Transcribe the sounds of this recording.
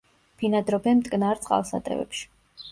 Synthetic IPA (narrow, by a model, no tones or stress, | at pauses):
pʰinad̪ɾɔbɛnmt̪ʼkʼnaɾt̪sʼqʼa̰lˠsa̰t̪ʼɛ̰vɛ̰pʃi̥